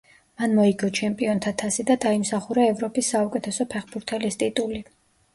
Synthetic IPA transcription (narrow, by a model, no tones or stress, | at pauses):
manmɔiɡɔt͡ʃʰɛmpʼiɔnt̪ʰat̪ʰasid̪ad̪aimsaχuɾaɛvɾɔpʼisːaukʼɛt̪ʰɛsɔpʰɛχbuɾt̪ʰɛlist̪ʼit̪ʼuli